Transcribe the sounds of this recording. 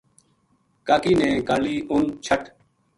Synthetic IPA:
kaːkiːnẽːkaːliːʔʊnt͡ʃʰəʈ

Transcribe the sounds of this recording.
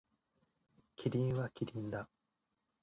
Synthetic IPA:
kʲʰiɾʲĩɰ̃βakʲiɾʲĩnd̪a

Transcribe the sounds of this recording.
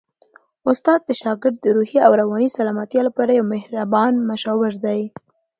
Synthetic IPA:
ʊst̪ɑd̪̚ːəʃɑɡɪɾd̪̚ːəɾuhiawɾawɑnisalɑmat̪jɑlapɑɾajawmɪhɾabɑnmaʃɑwɪɾd̪aj

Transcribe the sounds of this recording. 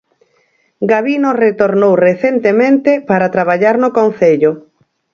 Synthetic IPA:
ɡaβinoret̪oɾnowreθent̪emẽnt̪epaɾat̪ɾaβ̞aʎaɾnokonθeʎʊ

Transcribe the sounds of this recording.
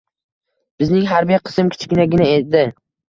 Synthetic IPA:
b̥ɪznɪŋɦaɾbijaqʰɨ̥sɪmkʲʰɪ̥t͡ʃʰɡʲɪnaɡʲɪnaed̪ɪ

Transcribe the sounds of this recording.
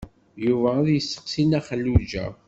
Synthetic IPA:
juvææðjəsːə̥qsinæχəlːud͡ʒæ̰

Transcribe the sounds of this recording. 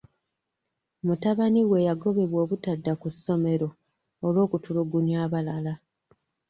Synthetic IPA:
mutaβaniwe̞jaɡo̞βe̞βwo̞ːβutadːakusːo̞me̞ɾo̞ː | lwo̞ːkutuluɡunjaːβalala

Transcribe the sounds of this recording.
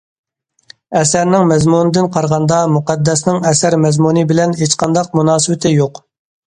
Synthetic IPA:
ɛsæɾnɪŋmɛzmunɨd̪ɪnqʰɑɾʁɑnd̪ɑmuqɑd̪ːɛsnɪŋɛsæɾmɛzmunɨbɪlɛnɦet͡ʃqɑnd̪ɑq̚munɑːsɨwɪt̪ʰɪjoq

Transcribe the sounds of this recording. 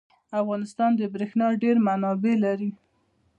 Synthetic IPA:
afɣɑnɪst̪ɑnd̪əbɾexnɑɖeɾmanɑbelaɾi

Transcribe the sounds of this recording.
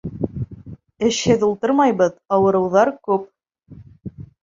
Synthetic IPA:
ɘ̆ʃhɘðulˠt̪ɤɾmɑjbɤðɑwɤ̆ɾɤ̆wðɑɾkʉp̚

